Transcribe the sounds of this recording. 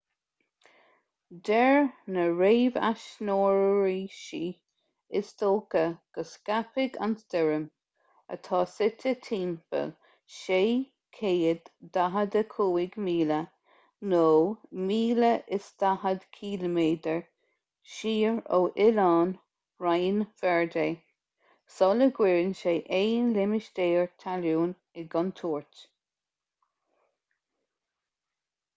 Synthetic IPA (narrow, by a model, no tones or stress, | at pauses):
d̪ɛɹnəɹeːva̰ʃnoːɹɹiːʃiː | ɪstoːkəɡ̥əskapɪɡa̰nsd̪̥ɛɹəm | ə̰t̪ʰɑːsɪtʰət̪ʰiːnfə̰l | ʃeː | kʰeːəd̪daɦəd̪əkʰuːɪɡmiːlə | noːmiːləʔɪsd̪̥ahəd̪kʰiːləmeːd̪əɹ | ʃiːɹoːʔɪlɑːn | ɹajnfɛɹdeː | sɔləɡwɪɹnʃeːʔeːnlɪmɪʃd̪eːɹt̪ʰaluːn | ɪɡɔnt̪ʰuːɹt̪